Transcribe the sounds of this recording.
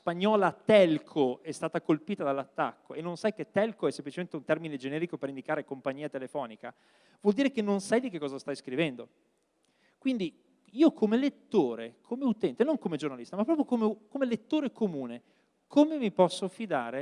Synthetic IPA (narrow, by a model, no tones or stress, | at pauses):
spaɲːɔːlat̪ɛlkʰoɛst̪aːt̪akolpiːt̪ad̪alːat̪ːa̰kːoenːõnsajket̪ːɛlkoɛsːemplit͡ʃement̪eunt̪ɛrmined͡ʒenɛːɾikopeɾind̪ikaːɾekompaɲːiːat̪elefɔːnika | vwɔld̪iːɾekenːonsajd̪ikekːɔːzast̪ajskɾivɛnd̪o | kwind̪i | iːokʰomelet̪ːoːɾekʰomeut̪ɛnt̪enoŋkomed͡ʒornalist̪amapːɾɔːp̬ɾjokomekomelet̪ːoːɾekomuːne | kʰomemipɔsːofid̪a̰ːɾe